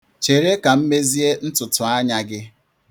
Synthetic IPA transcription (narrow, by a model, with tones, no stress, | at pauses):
t͡ʃe˨ɾe˦ka˨m̩˦me˦zi˦e˦n̩˦tʊ˨tʊ˨a˦ɲa˨ɡɪ˦